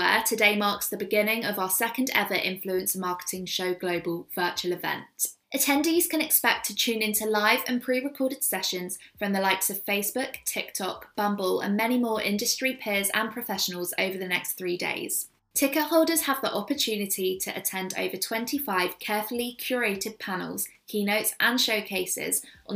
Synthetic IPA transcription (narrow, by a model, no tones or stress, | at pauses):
ə̰tʰədeɪmɑˑksðəbɪɡɪ̃nɪ̃ŋəvaʊəsɛkə̃ndɛ̰ðəɹʔɪ̰̃ɱfluə̃nsəmɑˑkɪ̥tʰɪ̃ŋʃəʊɡləʊbəlˠv̥ɜˑt͡ʃuəlɪvɛ̰̃nt | ʔətʰɛ̃ndiz̥kə̃nɪkspɛk̚tʰət͡ʃʰʉ̃ːnɪ̃ntʰulaɪvə̰̃npʰɹ̥iːɹɪkʰɔːɾɪd̥sɛʃə̃nz̥fɹə̃mðəlaɪtsəv̥feɪsb̥ʊktʰɪk̚tʰɒ̰k̚b̥ʌ̃mbələ̰̃nmɛñimɔːɹʔɪ̰̃ndəstɹ̥ipʰɪəzə̰̃npʰɹ̥əfɛʃənəlˠzə̰ʊvəðənɛ̰ksθɹiːdḛɪz̥ | tʰɪkəʔhɒʊlˠdəz̥əvðiʔɒpət͡ʃʰʉːnɪtʰitʰəʔətʰɛ̃ndə̰ʊvətʰw̥ɛ̃ntʰifaɪv̥kʰɛːˑfəlikʰj̥ɔːɹeɪtʰɪd̚pʰanə̰lˠz̥kʰiːnəʊtsʔə̃nʃəʊkʰeɪsɪ̰zʔə̃